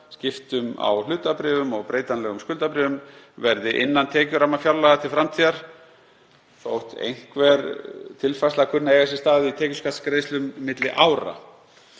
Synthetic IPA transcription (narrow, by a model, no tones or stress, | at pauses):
scɪft̪ʏma̰wlʏːt̪apɾɪːvʏmɔɣpɾeːjt̪anlɛːɣʏmskʏlt̪apɾɪːvʏm | vɛɾðɪʔɪnːant̪ʰɛːcʏɾamːafjawɾlaɣat̪ʰɪlfɾamt̪ʰiːðaɾ̥ | θowht̪ḛjŋ̥kvɛɾt̪ʰɪlfajslakʰʏnːaejɣas̬ɛst̪aːðʏit̪ʰɛːcʏskʰat̪skɾejslʏmːɪt̪lɪʔawɾa̰